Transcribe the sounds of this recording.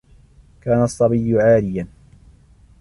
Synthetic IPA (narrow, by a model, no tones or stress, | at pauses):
kaːnɑsˤːɑbijːʊʕaːlɪjan